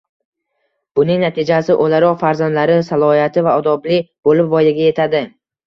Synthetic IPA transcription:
b̥ʊnɪŋnat̪ʰɪd͡ʒasɪʔolaɾɒqfaɾzand̪laɾɪsalˠɒhijat̪ʰɪvaɒd̪ɒblɪb̥olɪpvɒjaɡʲaje̞t̪ʰad̪ɪ

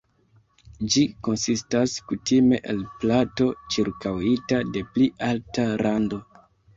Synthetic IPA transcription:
d͡ʒiko̞nsistaskutime̞ʔelplato̞t͡ʃiɾkawitade̞pliʔaltaɾando̞

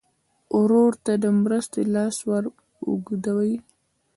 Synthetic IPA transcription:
ʊɾoɾt̪ad̪əmɾəst̪elɑswaɾ | ṵɡd̪awəj

